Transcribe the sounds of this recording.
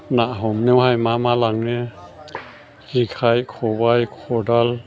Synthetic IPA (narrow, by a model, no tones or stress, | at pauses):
naʔɦɔmnɛwɦajmamalaŋnɛ | zikʰajkʰɔbajkʰɔdal